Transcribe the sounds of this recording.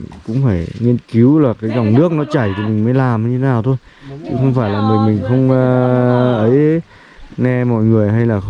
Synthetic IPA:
ŋkʊ̰˧˥ŋ͡mfaː˧˩jŋi˧ənki˨˦wlaː˨˩kaː˨˦jzɔ˨˧˩wŋ͡mnɨ˦˥ək̚nɔ˨˦t͡ɕaː˧˩jt̪ʰi˨˩mï˨˩ŋ̟maː˨˦jlaː˨˩m˧˨ɲɨ˧e˦naː˨˩wt̪ʰo˧j | t͡ɕɨ̰˨˦xə˧wŋ͡mfaː˧˩jlaː˨˩mi˨˩mï˨˩ŋ̟xə˧wŋ͡mʔə˨˦j | ŋɛ˧mɔ̰˧˨jŋɨ˨˩əjɦa˧jlaː˨˩

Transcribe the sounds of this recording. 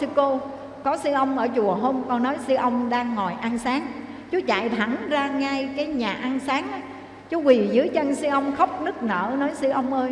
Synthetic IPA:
ɨ˧ko˧ | kɔ˨˦sɨ˧ʔə˧wŋ͡mʔəː˧˩t͡ɕu˨˩əɦo˧mkɔ˧nːɔ˨˦jsɨ˧ʔə˧wŋ͡mɗaː˧ŋːɔ˨˩jʔa˧nsaː˨˦ŋ | t͡ɕu˨˦t͡ɕa̰˧˨jt̪ʰa˧˩ŋzaː˧ŋaː˧jkaː˨˦jɲaː˨˩ʔa˧nsaː˨˦ŋʔa˨˦j | t͡ɕu˨˦kwi˨˩zɨ˨˦əjt͡ɕə˧nsɨ˧ʔə˧wŋ͡mxə˦˥wk͡p̚nɨ˦˥ək̚nə̰ː˧˩nɔ˨˦jsɨ˧ʔə˧wŋ͡mʔəː˧j

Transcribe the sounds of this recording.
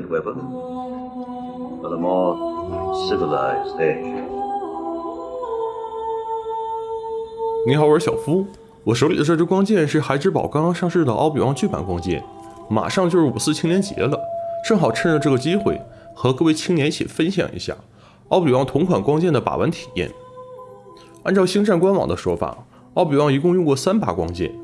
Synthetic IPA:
dwɛpə̃n | əəmɔː | sɪvəla̰ɪzted͡ʒ | ni˧˥xɑ˧˥ʊə˞˧˥ɕjɑ˨˩ʊfu˥ | wɔ˨˩ʂ̬o˧˥li˨˩d̪ə˦ʈ͡ʂɤ˥˩ɻ̩u˧˥kwɑ˥ŋt͡ɕjɛ˥˧nʂɻ̩˥˩xa˧˥ɪʈ͡ʂɻ̩˧˥pɑ˨˩ʊkɑ˥ŋkɑ˥ŋʂɑ˥˧ŋʂɻ̩˥˩d̪ə˩ʔɑ̰˥ʊplḭ˨˩wɑ˥˧ŋt͡ɕy˥˩pa̰˨˩nkwɑ˥ŋt͡ɕjɛ̰˥˩n | ma̰˨˩ʂɑ˥˧ŋt͡ɕjo˥˧ʊʂɻ̩˥˩u˨˩sɹ̩˥˩t͡ɕʰi˥ŋnjɛ˧˥nt͡ɕjɛ̰˧˥lə˧ʈ͡ʂɤ˥˩ŋxɑ˨˩ʊʈ͡ʂʰə˥nɻə˧ʈ͡ʂɤ˥˩ɡə˩t͡ɕi˥xwe˥˧˩ɪ | xɤ˧˥kɤ˥˧we˥˩ɪt͡ɕʰi˥ŋnjɛ˧˥n˥t͡ɕʰḭ˨˩fə˥nɕjɑ̰˨˩ŋʔḭ˧˥ɕja̰˥˩ | ɑ˥˧ʊpi˨˩wɑ˥˩ŋt̪ʰʊ˧˥ŋkʰwa˨˩nkwɑ˥ŋt͡ɕjɛ˥˩nd̪ə˩pa̰˨˩wə̰˧˥nt̪ʰi̥˨˩jɛ̰˥˩n | a˥nʈ͡ʂɑ˥˩ʊɕi˥ŋʈ͡ʂa˥˩nkwa˥nwɑ̰˨˩ŋd̪ə˦ʂwɔ˥fa̰˨˩ | ɑ˥ʊp̬i˨˩wɑ˥˩ŋi˧˥kʊ˥˧ŋjʊ˥˧ŋkwɔ˥˩sa˥npa̰˥kwɑ̰˥ŋt͡ɕjɛ̰˥˩n

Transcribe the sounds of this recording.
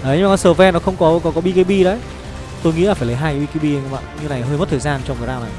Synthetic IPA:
ʔəː˨˩˨ɲɨ˧ŋ͡maː˨˩˧səː˨˩vɛ˧nɔ˨˦xə˧wŋ͡mkɔ˨˦kɔ˨˦kɔ˨˦ɓi˧ki˧ɓi˧ɗə˨˦j | t̪o˧jŋḭ˧˥laː˨˩faː˩jlə˨˦jɦaː˧ja˨˦ɓi˧ki˧˩ɓi˧ə˧jɲ˧˩ɓa̰ː˧˨nɲɨ˧˦na˨˩jɦəː˧jmə˦˥t̪̚ʰːzaː˧nt͡ɕɔ˧ŋ͡m̪ɗaː˧wna˨˩j

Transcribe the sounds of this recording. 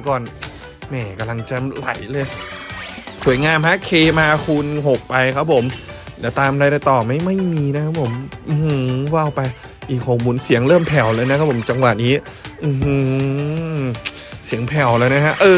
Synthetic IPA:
kɔː˨˩n | mɛː˧˩ka˧mla˧ŋt͡ɕa˨la̰˨˩˦jlɤː˧j | su˨˩˦əjŋaː˧mha˦˥kʰeː˧maː˧kʰu˧nɦo˨˩k̚pa˧jkʰa˦˥pʰo˩˦mlɛː˨˩t̪aː˧mɾa˧jɾaː˧˩jt̪ɔː˨˩ma˥˩jma˥˩jmiː˧na˦˥kʰa˦˥pʰːo˨˩˦mʔɯ˧˩hɯ˧wa˥˩wpa˧j | ʔiː˨˩k̚hoː˨˩muː˧nsi˩˦əŋɾɤː˥˩mpʰɛ˨˩wlɤː˧jna˦˥kʰa˦˥pʰo˩˦mt͡ɕa˧ŋwa˨˩t̪̚niː˦˥ | ʔɯː˧˩hɯ˧ | si˨˩˦əŋpʰɛ˨˩wlɤː˧jna˦˥kʰa˦˥ʔɤː˧

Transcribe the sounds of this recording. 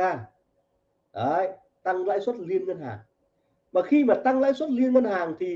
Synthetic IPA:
aː˧˩ | ʔəː˨˧˩j | t̪a˧ŋla̰ː˧˥jswə˦˥t̚li˧ənŋə˧nhaː˨˩ŋ | maː˨˩xi˧maː˨˩t̪a˧ŋla̰ː˧˥jswə˦˥t̚li˧ənŋə˧nhaː˨˩ŋt̪ʰi˨˩

